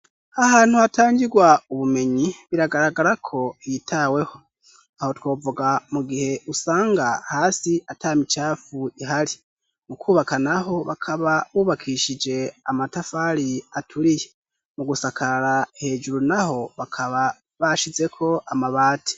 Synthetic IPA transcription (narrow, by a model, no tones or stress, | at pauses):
ahaːn̥huhataːɲɡiɡwauβume̞ɲiβiɾaɡaɾaɡaɾakʰo̞ijitʰawe̞ho̞ | aho̞two̞ːvuɡamuɡihe̞ʔusaːŋɡahaːsiʔataːmit͡ʃaːfuiɦaɾi | mukʰuːβakanaɦo̞βakʰaβaβuːβakʰiʃid͡ʒe̞amatafaɾiatʰuɾije | muɡusakʰaɾahe̞ːd͡ʒuɾunaho̞βakʰaβa | βaʃize̞kʰo̞ʔamaβaːtʰi̥